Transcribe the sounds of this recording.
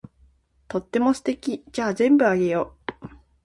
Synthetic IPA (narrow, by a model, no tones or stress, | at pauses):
t̪o̞t̪ːe̞mo̞sɨ̥t̪e̞kʲid͡ʑaːzẽ̞mbɯ̟aɡe̞jo